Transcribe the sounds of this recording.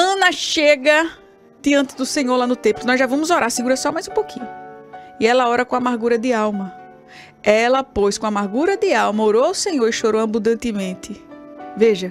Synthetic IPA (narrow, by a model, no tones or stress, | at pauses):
ɐ̃nɐʃeɡɐ | d̪̥ɪɐ̃nt̪ɪd̪ʊsẽɲoɾlanʊt̪ẽmplˠʊnɔzʒavɐ̃mʊzoɾʔaɾsiɡuɾɐsɔmajzũpokʰĩɲʊɪɛlɐɔɾɐkõamaɾɡuɾɐd̪ɪawmɐ | ɛlɐpojskõamaɾɡuɾɐd̪ɪawmɐoɾoʊsẽɲoɾɪʃoɾoɐ̃mbũd̪ɐ̃nt̪ɪmẽt̪ɪveʒɐ